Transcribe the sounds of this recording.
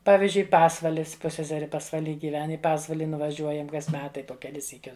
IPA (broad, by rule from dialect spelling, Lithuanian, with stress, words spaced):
ˈpɑːʋʲɪzʲd͡ʒʲʊɪ ˈpɑːsʋɐlʲɪs ˈpʊsʲsʲɛsʲɛrʲɪ pɐsʋɐˈlʲiː ɡʲɪˈʋʲɛn ɪ ˈpɑːsʋɐlʲɪ nʊʋɐˈʒʲuɔjɛm ˈkɐs ˈmʲæːtɐɪ poː kʲɛˈlʲɪs sʲiːˈkʲʊs